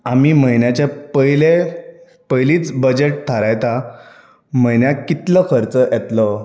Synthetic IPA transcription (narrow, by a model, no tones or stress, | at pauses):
amiːməjnjat͡ɕapəjle | pəjliːt͡sbəd͡ʑeʈ̚t̪ʰəɾajt̪a | məjnjakit̪ləkʰəɾt͡səjʔɛt̪lə